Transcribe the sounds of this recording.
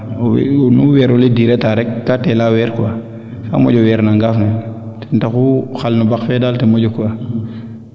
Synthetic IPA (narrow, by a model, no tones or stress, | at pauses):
w̰nuwɛɾɔlidiɾɛtaɾɛk̚ːatɛlawɛːɾkuwa | fa̰mɔ̰d͡ʒɔwɛːɾnaŋɡafnu | tɛ̥ntakuxalnubakfɛdaːltemɔd͡ʒɔkua